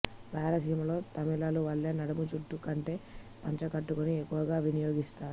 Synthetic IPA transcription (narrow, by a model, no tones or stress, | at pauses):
ɾaːlɐsiːmɐlo̞ːt̪ɐmilaːluʋɐɭːe̞ːnɐɽɐmut͡ʃut̪ːukɐɳʈe̞ː | pɐɲt͡ʃɐkɐʈːukuniekːuʋɐɡaːʋinijo̞ːɡist̪aːɾu